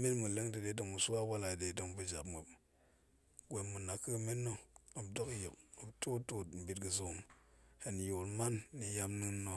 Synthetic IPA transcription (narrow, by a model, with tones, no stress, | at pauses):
mi˦nmu˨le˦ŋdə˨de˨˦də˨ŋu˨su˦wa˦wa˦la˨de˨də˨ŋpu˨d͡ʒa̰˨bmə˨p | ɡʷe˨mːu˨na˨kə˦˨me˦nːo˦o˨bdo˦kji˨ko˨btu˦tu˦m̩˨bi˨t̚ɡə˨zu˦˨mhe˨n˨ju˨lma˦nːi˨ja˦mnɨ˦nːo˨